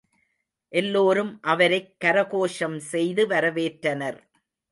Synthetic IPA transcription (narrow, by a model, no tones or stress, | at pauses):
ʔɛlːoːɾɯmʔɐʋɐɾɐɪkːɐɾɐɣoːʂɐmsɛjðɯʋɐɾɐʋeːʈɾɐnɐɾ